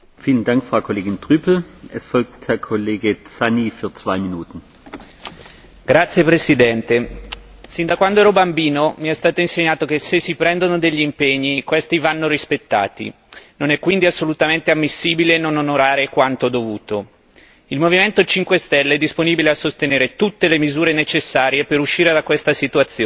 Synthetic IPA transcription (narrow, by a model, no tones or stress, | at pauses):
fiːləndaŋkfʁ̥aʊkʰoleːɡɪntʁ̥yːpʰl̩ʔɛsfɔlk̚thɛɐkʰoleːɡət͡sanifyːɐt͡sv̥aɪminuːtn̩ | ɡ̥ɾat̪sːjepɾesid̪ɛnt̪e | sind̪akwand̪oɛːɾɔbambiːnomiɛst̪aːt̪oinseɲːaːt̪okesːesːipɾɛnd̪onod̪eʎːiːmpeɲːikwest̪ivanːoɾispet̪ːa̰ːt̪ḭ | nonɛkːwind̪iasːolut̪ament̪eamːisːiːbilenononoɾaːɾekwant̪od̪ovuːt̪o | ilmoviment̪ot͡ʃiŋkwest̪ɛlːeɛd̪ːisponiːbileasːost̪eneːɾet̪ut̪ːelemizuːɾenet͡ʃesːaːɾjepeɾuʃːiːɾed̪akwest̪asit̪uat̪sːjoː